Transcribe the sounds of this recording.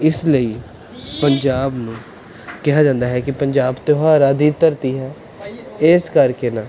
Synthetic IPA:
ɪsləiː | pəɲd͡ʒaːbnũː | kɛɦaːd͡ʒãːnd̪aːɦɛːkɪpəɲd͡ʒaːbt̪eaɾaːd̪iːt̪əɾt̪iːɦɛː | ɪskəɾkeːnãː

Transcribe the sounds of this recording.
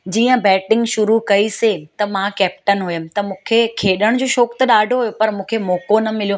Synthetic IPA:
d͡ʑiːə̃bɛːʈɪ̃ŋɡʃʊɾukɐiset̪ɐmãkɛːp̚ʈənɦʊjəmɪ̃̆t̪ɐmũːkʰekʰeːɗəɽ̃d͡ʑoːʃɔːkt̪ɐɗaːɖʱoɦujopɐɾmũːkʰemoːkonɐmɪlijo

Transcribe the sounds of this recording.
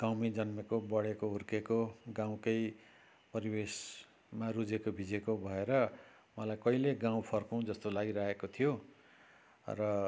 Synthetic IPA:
ɡ̥awmid͡zʌnmekobʌɽekoɦurkekoɡãw̃kʌj | pʌɾibes | marud͡zekobʱid͡zekobʱʌeɾʌ | mʌlajkʌɦileɡãw̃pʰʌrkũd͡zʌst̪olaɡiɾaɦekot̪ʰijo | rʌ

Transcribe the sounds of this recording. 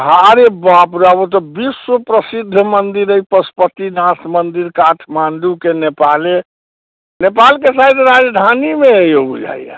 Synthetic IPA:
ɦaɾebapɾabot̪̬ɔbiswəpɾəsid̪ʱːmənd̪iɾəjpəspət̪inasmənd̪iɾkaʈʰmanɖ̪ukenepale | nepalkesad̪ɾad͡ʒd̪ʱanimeəjobud͡ʒa̰ija̰

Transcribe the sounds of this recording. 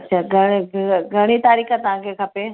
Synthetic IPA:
ɐtːɕʰaːɡʱɐɽ̃ɡʱɐɽ̃it̪aːɾiːxat̪ɐʋ̤ãkʰekʰɐpe

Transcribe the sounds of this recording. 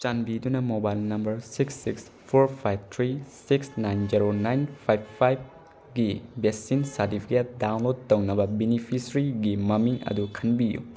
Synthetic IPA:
t͡ʃanbidunɐmobajlnɐmbɐɾsiksːiks | pʰoɾpʰajb̚tʰɾisiksnajnd͡ʒiɾonajnpʰajbpʰːajb̚ | ɡibesinsɐɾtipʰi̥ket̚dawnlod̚tɐwnɐbɐbenipʰisɐɾiɡimɐmiŋɐ̰dukʰɐnbijṵ

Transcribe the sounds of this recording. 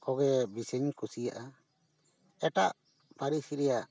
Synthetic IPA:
kɔɡɛbisiɲkʰusijaʔa | ɛʈaʔ | paɾisiɾɛjaʔ

